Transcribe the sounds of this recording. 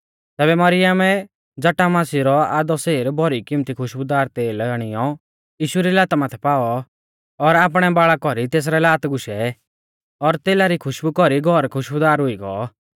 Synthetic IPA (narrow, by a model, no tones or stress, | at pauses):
t̪ɛːbɛmɐɾɪjəmɛ | d͡zɐʈamaːsiɾɔaːd̪ɔseːɾbʱɔɾikɪmt̪ikʰʊʃbʊd̪aːɾt̪eːlaɽ̃ɪjɔ | jiːʃuɾilaːt̪amat̪ʰɛpaːɔ | ɔɾaːp̬ɽ̃ɛbaːɭakɔɾit̪eːs̬ɾɛlaːt̪ɡʊʃɛ | ɔɾt̪eːlaɾikʰʊʃbukɔɾiɡʱɔɾkʰʊʃʊd̪aːɾɦʊiɡɔ̰